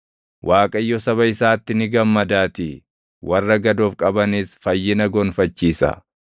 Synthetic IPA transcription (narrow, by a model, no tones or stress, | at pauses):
wʔaːkʼɐɪjːɔsɐβɐɪsaːt̪ːɪnɪɡɐmːɐd̪aːt̪ɪ | wʔɐrːɐɡɐd̪oːfkʼɐbɐnɪsfɐjːɪnɐɡoːnfɐt͡ʃːiːsɐ̰